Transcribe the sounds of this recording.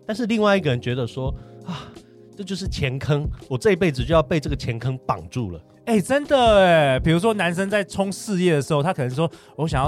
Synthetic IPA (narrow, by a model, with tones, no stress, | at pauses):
t̪a˥˧nʂɻ̩˥˧li˥˧ŋwa˥˧ɪi˥ɡə˨ɻə˧˦nt͡ɕɥɛ˧˥d̪ə˨ʂwɔ˥a˥˩ | ʈ͡ʂɤ˥˧t͡ɕjo˥˧ʊʂ̬̩˥˩t͡ɕʰjɛ˧˥nkʰə˥ŋwɔ˨˩ʈ͡ʂɤ˥˧i˥p̬e˥˩ɪd͡zɻ̩˨t͡ɕo˥˧jɑ˥˧ʊpe˥˧ɪʈ͡ʂɤ˥˩ɡə˩t͡ɕʰjɛ˧˥nkʰə˦ŋpɑ̰˨˩ŋʈ͡ʂṵ˥˩lə̰˩ | e˥˩ɪʈ͡ʂə˦˥nd̪ə˨e˨˩pi˨˩ɻu˧˥ʂ̬wɔ˥na˧˥nʂə˥ŋt͡sa˥˩ɪʈ͡ʂʰʊ˥ŋʂɻ̩˥˧jɛ˥˩d̪ə˩ʂɻ̩˧˥xo˧ʊt̪ʰa˥kʰɤ˨˩nə˧˦ŋʂ̬wɔ˥ | wɔ˧˦ɕjɑ˨˩ŋjɑ˥˩